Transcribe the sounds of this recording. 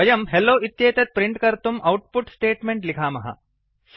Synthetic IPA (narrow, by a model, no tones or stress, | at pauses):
ɐjɐmɦelːoːit̪jeːt̪jɐt̪̚pɾiɳʈkɐɾt̪umɐwʈ̚puʈsʈeːʈmeɳʈlikʰaːmɐɦɐ̰